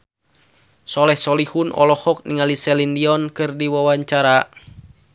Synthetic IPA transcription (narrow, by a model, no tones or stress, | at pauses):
sɔlɛhsɔlihunʔɔ̰lɔhɔk̚niŋalisɛlindiɔnkɨrdiwawaɲt͡ʃaɾa